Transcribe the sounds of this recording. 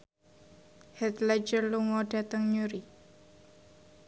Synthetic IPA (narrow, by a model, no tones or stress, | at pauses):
hɛt̪lad͡ʒərluŋɔɖ̥a̤t̪əŋɲuɾi